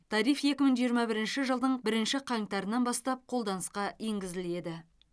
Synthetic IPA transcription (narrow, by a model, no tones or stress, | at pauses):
t̪ʰɑɾijfje̞kʲɪməɴʒijəɾmɑbɪɾɪnʃɪʒəlˠd̪əɴbɪɾɪnʃɪqʰɑŋt̪ɑɾənːɑnbɑst̪ɑp̚qʰo̞lˠd̪ɑnəsqɑe̞ŋɡʲɪzɪle̞d̪ɪ